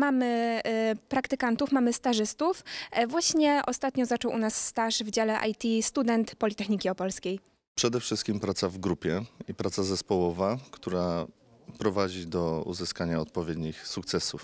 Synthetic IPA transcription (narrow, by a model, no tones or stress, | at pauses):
mamɘ | pɾakt̪ɘkant̪ufmamɘst̪aʐɘst̪ufvwaɕɲɛʔɔst̪at̪ɲɔzat͡ʂɔwʔunasːt̪aʂvd͡ʑalɛʔa̰jt̪ʲist̪ud̪ɛnt̪pɔlʲit̪ɛxɲikʲiɔpɔlskʲej | pʂɛd̪ɛfʂɘst̪kʲimpɾat̪savɡɾupʲjɛipɾat̪sazɛspɔwɔvakt̪uɾa | pɾɔvad͡ʑid̪ɔṵzɘskaɲaɔt̪̚pɔvʲjɛd̪ɲixsukt̪sɛsuf